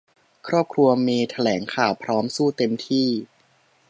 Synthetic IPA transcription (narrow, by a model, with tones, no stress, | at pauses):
kʰɾɔː˥˩p̚kʰɾu˧ɐmiː˧t̪ʰa˧lɛː˩˦ŋkʰaː˨˩wpʰɾɔː˦˥msuː˥˩t̪e˧mt̪ʰiː˥˩